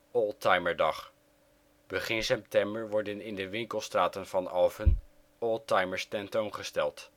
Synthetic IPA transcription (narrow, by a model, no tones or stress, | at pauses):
ɔlˠtɑjməɹdɑχ | b̥əχɪnsɛp̚tɛmbəɹʋɔɹdənɪndəʋɪŋkəlˠstraːtənvɑnɑlˠvən | ɔlˠtɑjməɹstɛntownχəstɛlˠt